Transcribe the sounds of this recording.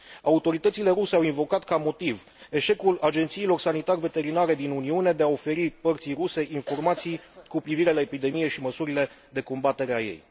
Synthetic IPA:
aut̪o̞ɾit̪ət̪sile̞ɾuseawinvo̞kat̪kamo̞t̪iv | e̞ʃe̞kulad͡ʒe̞nt̪siːlo̞rsanit̪arve̞t̪e̞ɾinaɾe̞d̪inuniune̞d̪e̞ao̞fe̞ɾipərt̪sijruse̞ʔinfo̞rmat̪sijkupɾiviɾe̞lae̞pid̪e̞mije̞ʃiməsuɾile̞ | d̪e̞ko̞mbat̪e̞ɾeajḛj

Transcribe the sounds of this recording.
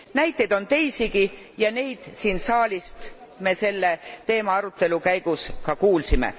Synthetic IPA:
næjt̪ːˑe̞d̪̥o̞nt̪e̞jsiɡi | jɑne̞jd̪̥siːnsɑːlist̪me̞se̞lːe̞t̪e̞ːmɑɑɾut̪ːˑe̞lukæjɡ̥uskɑkuːlsimḛ

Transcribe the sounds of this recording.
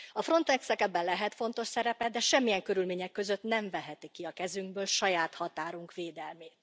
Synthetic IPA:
ɒfro̞nt̪ɛksɛkɛɡbɛnlɛɦɛt̪fo̞n̪t̪o̞ʃsɛɾɛpɛd̪ɛʃɛmːijɛŋkø̞ɾylmeːɲɛkːø̞zøt̪nɛɱvɛɦɛt̪ikːiɒkɛzyŋɡbøːlʃɒjaːt̪hɒt̪aːɾuŋkʋeːd̪ɛlmeːt̪

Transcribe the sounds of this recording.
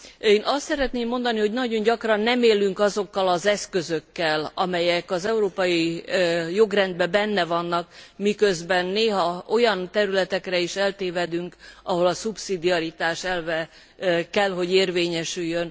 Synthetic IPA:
eːnʔɒst̪sɛɾɛt̪neːmːo̞nd̪ɒniɦo̞ɟnɒɟo̞ɲɟɒkrɒnːɛmeːlːyŋkɒzo̞kːɒlɒzɛskø̞zøkːɛlɒmɛjɛkɒzɛuɾoːpɒji | jo̞ɡrɛnd̪bɛbɛnːɛvɒnːɒk̚mikø̞zbɛnːeːɦɒo̞jɒnt̪ɛɾylɛt̪ɛkrɛiʃɛlt̪eːvɛd̪yŋkɒɦo̞lɒsupsid̪iɒɾit̪aːʃɛlvɛ | kɛlɦo̞ɟeːrveːɲɛʃyjːøn

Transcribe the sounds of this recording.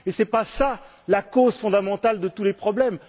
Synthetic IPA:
esɛpasa | lakozfɔ̃d̪amɑ̃t̪ald̪ət̪ulepχɔblɛm

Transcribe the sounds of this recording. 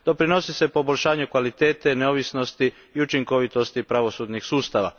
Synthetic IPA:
d̪̥o̞pɾino̞sise̞po̞bo̞ʎʲʃaːɲukʋalit̪eːt̪e̞neo̞ʋisno̞st̪iː | ut͡ʃiŋko̞ʋit̪o̞st̪ipɾaʋo̞suːd̪ɲixsuːst̪aʋa̰

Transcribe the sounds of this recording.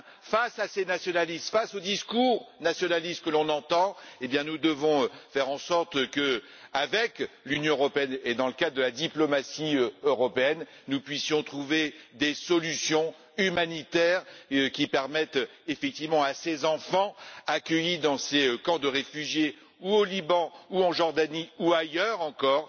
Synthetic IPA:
fasasenasjɔnalist̪fasod̪iskuʁnasjɔnalist̪̚kəlɔ̃nɑ̃t̪ɑ̃ebjɛ̃nud̪əvɔ̃fɛʁɑ̃sɔʁt̪kə | avɛklynjɔ̃øʁɔpeɛned̪ɑ̃ləkad̪ʁd̪əlad̪iplɔmasiøøʁɔpeɛnːupɥisjɔ̃t̪χuved̪esɔlysjɔ̃ | ymanit̪ɛʁkʲipɛʁmɛt̪efɛk̚t̪ivmɑ̃asezɑ̃fɑ̃akʲəjid̪ɑ̃seøkɑ̃d̪əʁefyʒje | uolibɑ̃uɑ̃ʒɔʁd̪aniuajœʁɑ̃kɔːʁ

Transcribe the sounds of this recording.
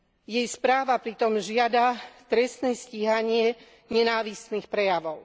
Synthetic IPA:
jɛjspɾaːʋapɾit̪ɔmʒɪad̪at̪ɾɛst̪nɛsciːɦaɲɪɛ | ɲɛnaːʋist̪nixpɾɛjaʋɔʊ

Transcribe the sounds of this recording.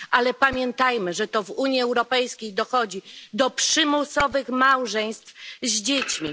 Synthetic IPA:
ʔalɛpamʲjɛnt̪ajmɘʐɛt̪ɔvuɲjiɛwɾɔpɛjskʲejd̪ɔxɔd͡ʑid̪ɔpʂɘmusɔvɘxmawʐɛjɲ̃st̪fzd͡ʑet͡ɕmʲi

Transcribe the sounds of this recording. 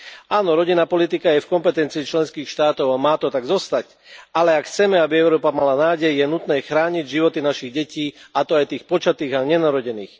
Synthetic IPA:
aːnɔɾɔɟinːaːpɔlit̪ikajɛfkɔmpɛt̪ɛnt͡siːt͡ʃlɛnskiːxʃt̪aːt̪ɔʊamaːt̪ɔt̪aɡzɔst̪ac | alɛakxt͡sɛmɛabiɛʊɾɔːpamalanaːɟɛjjɛnut̪nɛːxɾaːɲiɟʒiʋɔt̪inaʃiɣɟɛciːat̪ɔajt̪iːxpɔt͡ʃat̪iːɣaɲɛnaɾɔɟɛnḭːx

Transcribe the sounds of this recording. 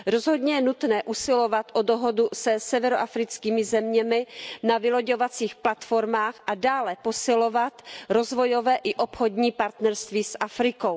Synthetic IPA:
ɾo̞zɦo̞dɲɛjɛnut̪nɛːʔusɪlo̞vat̪ʔodoɦo̞dusɛsɛvɛɾoʔafɾɪt͡skiːmɪzɛmɲɛmɪnavɪlo̞ɟo̞vat͡siːxplat̪fo̞ɾmaːxʔadaːlɛpo̞sɪlo̞vat̪ɾo̞zvo̞jo̞vɛːʔɪʔo̞pxodɲiːpaɾt̪nɛɾst̪viːsʔafɾɪko̞w

